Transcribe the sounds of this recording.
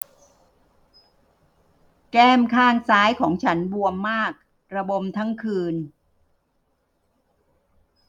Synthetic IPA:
kɛː˥˩mkʰaː˥˩ŋsaː˦˥jkʰɔː˩˦ŋt͡ɕʰa˦˥nbu˧əmːaː˥˩k̚ | ɾa˧bo˧mt̪ʰa˦˥ŋkʰɯː˧n

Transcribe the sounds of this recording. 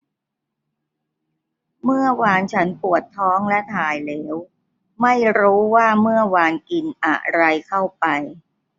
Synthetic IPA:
mɯ˥˩ɐwaː˧nt͡ɕʰa˦˥npu˨˩ət̪ʰːɔː˦˥ŋlɛ˦˥t̪ʰaː˧˩jlɛː˩˦˥w | ma˥˩jɾuː˦˥waː˥˩mɯ˥˩ɐəwaː˧nki˧nʔa̰˨˩ʔɾa˧jkʰa˥˩wpa˧j

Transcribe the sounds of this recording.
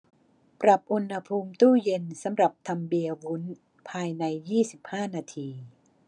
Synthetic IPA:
pɾa˨˩p̚ʔu˧nha˧pʰuː˧mt̪uː˥˩je˧nsa˩˦mɾa˨˩p̚t̪ʰa˧mbi˧əwu˦˥n | pʰaː˧jna˧jːiː˥˩si˨˩p̚haː˥˩naː˧t̪ʰiː˧

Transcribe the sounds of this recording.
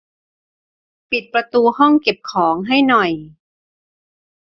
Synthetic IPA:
pi˨˩t̪̚pɾa˧t̪uː˧hɔ˥˩ŋke˨˩p̚kʰɔː˩˦ŋɦa˥˩jnɔ˨˩j

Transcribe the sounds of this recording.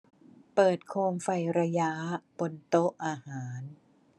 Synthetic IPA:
pɤː˨˩t̪̚kʰoː˧mfa˧jɾa˧ja˦˥po˧nt̪o˦˥ʔʔaː˧haː˩˦n

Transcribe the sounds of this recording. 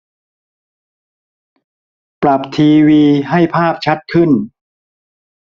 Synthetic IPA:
pɾa˨˩p̚t̪ʰiː˧wiː˧ɦa˥˩jpʰaː˥˩p̚t͡ɕʰa˦˥t̪̚kʰɯ˥˩n

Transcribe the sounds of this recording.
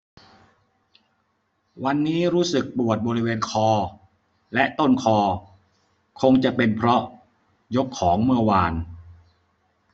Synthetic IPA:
wa˧nːiː˦˥ɾuː˦˥sɯ˨˩k̚pu˨˩ət̪̚bɔː˧ɾi˦˥weː˧nkʰɔː˧ | lɛ˦˥ʔt̪o˥˩nkʰɔː˧ | kʰo˧ŋt͡ɕa˨˩ʔpe˧npʰɾɔ˦˥ʔ | jo˦˥kʰːɔː˩˦ŋmɯ˧ɐwaː˧n

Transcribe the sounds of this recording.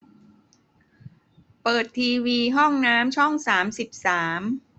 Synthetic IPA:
pɤː˨˩t̪ʰːiː˧wiː˧ɦɔ˥˩ŋnaː˦˥mt͡ɕʰɔ˥˩ŋsaː˩˦msi˨˩p̚saː˩˦m

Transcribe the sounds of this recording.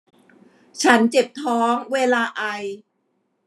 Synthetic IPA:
t͡ɕʰa˦˥nt͡ɕe˨˩p̚t̪ʰɔː˦˥ŋweː˧laː˧ʔa˧j

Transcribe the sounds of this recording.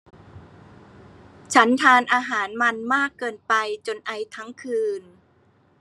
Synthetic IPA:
t͡ɕʰa˦˥nt̪ʰaː˧nʔaː˧ɦaː˩˦nma˧nmaː˥˩kːɤː˧npa˧jt͡ɕo˧nʔa˧jt̪ʰa˦˥ŋkʰɯː˧n

